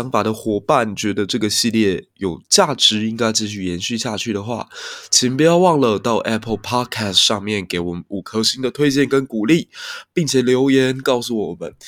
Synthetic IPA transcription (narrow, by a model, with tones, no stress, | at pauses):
ɑ˥ŋfa˨˩d̪ə˦xwɔ˧˥pa˥˩nt͡ɕɥɛ˧˥d̪ə˧ʈ͡ʂɤ˥˩ɡə˩ɕi˥˧ljɛ˥˩jo˨˩ʊt͡ɕja˥˩ʈ͡ʂɻ̩˧˥i˥ŋka˥ɪt͡ɕi˥˧ɕ̬y˥˩jɛ˧˥nɕy˥˧ɕja˥˧t͡ɕʰy˥˩ɾə˩xwa̰˥˩t͡ɕʰi˧˥np̬u˧˥jɑ˥˧ʊwɑ˥˩ŋlə˨t̪ɑ˥˩ʊʔɛ˦˥pʰə˥˩lpʰɑ˥kʰɛ˥˩stʂɑ˥˧ŋmjɛ˥˩nke˧˥ɪwɔ˨˩mə˦nu˨˩kʰɤ˧˥ɕi˥ŋd̪ə˨t̪ʰwe˥ɪt͡ɕjɛ˥˩nkə˦˥nku˨˩li˥˩pi˥˩ŋt͡ɕʰjɛ˨˩ljo˧˥ʊjɛ˧˥nkɑ˥˧ʊsu˥˩wɔ˨˩mə̰˦n